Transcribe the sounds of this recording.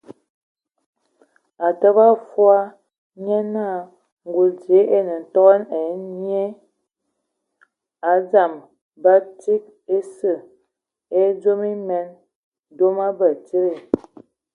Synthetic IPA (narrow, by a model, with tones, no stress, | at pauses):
a˨tə˦ba˦fwa˦ | ɲɛ˦na˦˨ | ŋ˨ɡu˨lde˨˦ʔe˦nə˨n̩˨tɔ˦ɣɛ˦ne˨˦ɲ˦e˦ | a˨˦d͡za˨m | ba˦ti˦k̚ | e˦sə˦˨ | e˦d͡ʒo˦mi˦mɛ˦n | do˦ma˦bə˨t͡ʃi˦ɾe˨